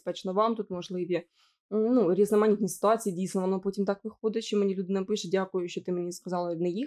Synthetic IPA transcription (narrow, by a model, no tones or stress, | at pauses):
spɛt͡ʃnɔʋɑmt̪ut̪mɔʒlˠɪʋʲi | nuɾʲiznɐmɐnʲit̪nʲisɪ̥t̪ʊɑt͡sʲijidʲijsnɔʋɔnɔpɔtʲimt̪ɑkʋɪxɔd̪ɪʃt͡ʃɔmenʲilʲud̪ɪnɐpɪʃɛdʲakʊjʊʃt͡ʃɔt̪ɪmenʲiskɐzɑlˠɪnɛji